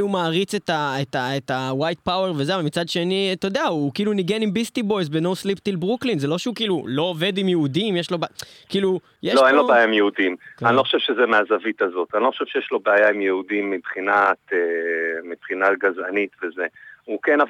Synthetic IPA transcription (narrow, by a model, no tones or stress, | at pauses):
umaːʁit͡set̪aet̪aetawajt̪̚pawe̞ʁvezeavalmit͡sad̪ʃenit̪od̪eaukiːluniɡenimbist̪ibo̞jzbenowslipt̪ilbʁuklinze̞lo̞ʃeukiːlulo̞ove̞d̪imjeud̪imjeʃlo̞be | kiːlu | jeʃloenlobeajaimjeudimanilo̞xoʃevʃezemeazavit̪azo̞t̪anilo̞χo̥ʃev̥ʃejeʃlo̞beajaimjeudimːibχinat̪emipχinaɡaza̰nit̪vezeukenav